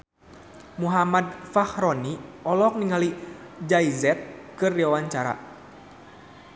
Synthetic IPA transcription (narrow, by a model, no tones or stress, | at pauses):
muɦamad̪̚fahɾɔniɔlɔk̚niŋalid͡ʒaizɛt̪̚kɨrdiwawaɲt͡ʃaɾa̰